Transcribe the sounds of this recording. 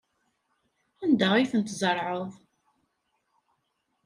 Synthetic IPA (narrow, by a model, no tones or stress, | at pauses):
ænd̪æʁiθənt̪zˤəɾˤʕəðˤ